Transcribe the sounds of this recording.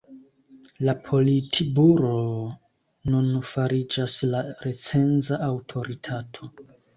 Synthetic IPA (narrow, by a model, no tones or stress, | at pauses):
lapʰo̞litʰibuɾo | nunfaɾid͡ʒaslaɾe̞t͡se̞nzaʔːwtʰo̞ɾitʰatʰo